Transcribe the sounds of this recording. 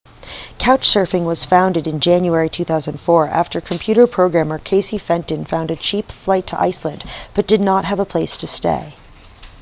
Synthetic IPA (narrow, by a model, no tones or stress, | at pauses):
kʰaʊt͡ʃsɜ˞fɪ̃ŋwʌz̥fãʊ̃ndɨɾɨ̃nd͡ʒæ̃njuɛɹitʰʉθaʊzɨ̃n̩dfɔɹæ̰ftə˞kʰm̩pʰj̥ʉɾə˞pʰɹ̥oʊɡɹæ̃mə˞kʰeɪsifɛ̃ntɨ̃nfãʊ̃ndɨt͡ʃʰipflaɪtʰə̰ʔa̰ɪslɨ̃ndb̥ʌt̚d̥ɨdⁿnət̚ɦəvəpʰl̥eɪstʰɨstḛɪ